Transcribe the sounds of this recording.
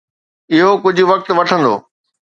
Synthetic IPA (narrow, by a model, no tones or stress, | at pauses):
ɪɦokʊd͡ʑʱʊ̆ʋɐk̚t̪ʋɐʈʰə̃nd̪o̰ː